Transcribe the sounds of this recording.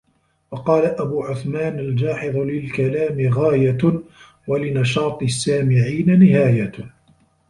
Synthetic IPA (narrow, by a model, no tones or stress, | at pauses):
wɑqɑːlaʔabuːʕʊθmaːnald͡ʒaːħɪðˤlɪlkalaːmɪɣaːja | walɪnɑʃɑːt̪ˤsːaːmɪʕiːnanɪhaːja